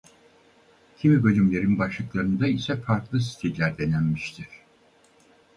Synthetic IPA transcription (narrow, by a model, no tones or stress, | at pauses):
cʰimibø̞lʲymlʲe̞ɾinbaʃlˠɯklˠaɾɯnd̪aisɛfaɾklˠɯsi̥t̪ʰilʲæɾd̪enænmiʃt̪ʰiɾ̥